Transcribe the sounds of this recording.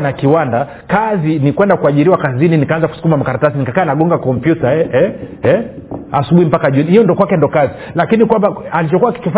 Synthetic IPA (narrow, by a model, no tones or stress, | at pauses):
nakiwanda | kazinikwɛndakuaʄiɾiwakazininikaanzaku̥su̥kumamakaɾatasinikakaːnaɠɔŋɡakɔmpjutaɛɛɛ | asuɓuhim̩pakaʄunihijɔndɔkwakɛndɔkazi | lakinikwambaalit͡ʃɔkuwaki̥kifa